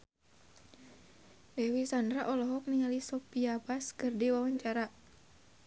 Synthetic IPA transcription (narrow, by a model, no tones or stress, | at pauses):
lɛwisandɾaʔɔlɔɦɔk̚niŋalisɔpiabaskərdiwawaɲt͡ʃaɾa